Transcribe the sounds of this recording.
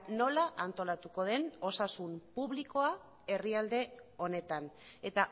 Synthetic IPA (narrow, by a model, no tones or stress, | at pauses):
no̞laʔant̪o̞lat̪uko̞ðe̞no̞sasumpuβliko̞a | e̞riald̪e̞o̞ne̞t̪ane̞t̪a